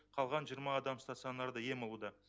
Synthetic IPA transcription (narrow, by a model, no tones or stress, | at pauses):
qʰɑlˠʁɑnʒijəɾmɑːd̪ɑmst̪at̪sɨonːɑɾd̪əje̞molˠud̪ɑ